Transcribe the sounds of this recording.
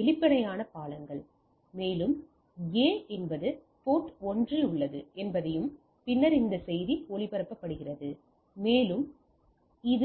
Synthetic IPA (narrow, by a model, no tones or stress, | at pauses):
ɛɭɪpːɐɽɐjaːnɐpaːlɐŋɡɐɭ | meːlɯm | eːɛnbɐðɯ | poːʈɔndriʊɭːɐðɯɛnbɐðɐjɯm | pɪnːɐɾɪnd̪ɐsɛjðioɭɪpɐɾɐpːɐpːɐɽɯɣɪrɐðɯ | meːlɯm | ɪð